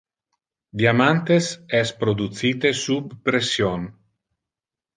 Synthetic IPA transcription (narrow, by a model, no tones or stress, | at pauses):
d̪iamant̪esɛspɾod̪ut̪siːt̪esubpɾesjon